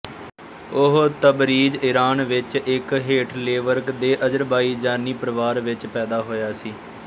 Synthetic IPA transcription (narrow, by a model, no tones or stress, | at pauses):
ʊɦt̪əbɾiːd͡ʒɪɾaːnʋɪt͡ʃɪkɦeːʈʰleːʋəɾkd̪eːʔəd͡ʒəɾbaːiːd͡ʒaːniːpəɾəʋaːɾʋɪt͡ʃpɛːd̪aːɦoːjaːsiː